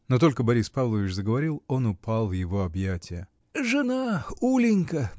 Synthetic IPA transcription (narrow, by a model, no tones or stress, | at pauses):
not̪o̞lʲkəbɐɾʲispavlˠəvʲɪt͡ɕzəɡəvɐɾʲilˠo̞nʊpalˠvjɪvo̞ɐbjætʲɪjə | ʐɨnaulʲɪnʲkə